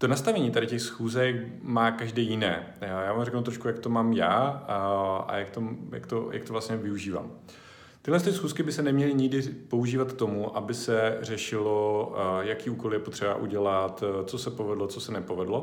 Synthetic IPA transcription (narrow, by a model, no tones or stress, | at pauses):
t̪onast̪avɛɲiːt̪adɪcɛxsxuːzɛk | maːkaʒdɛːjɪnɛː | jaːvaːmrɛknut̪ɾoʃkujakt̪o̞maːmjaː | ʔa̰jak̚t̪omja̰kt̪oja̰k̚t̪ovlastɲɛvɪuʒiːva̰ːm | t̪ɪɦlɛns̬t̪ɪsxuːskɪbɪsɛnɛmɲɛlɪɲɪɡdɪpo̞uʒiːvat̪t̪o̞muʔabɪsɛr̝ɛʃɪlojakiːʔuːko̞ljɛpo̞t̪r̥ɛba̰ʔuɟɛlat̪t͡so̞sɛpo̞vɛdlo̞t͡sosɛnɛpo̞vɛdlo